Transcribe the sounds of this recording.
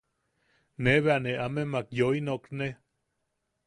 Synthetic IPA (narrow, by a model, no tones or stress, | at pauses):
neβeaneʔamemakjoinokne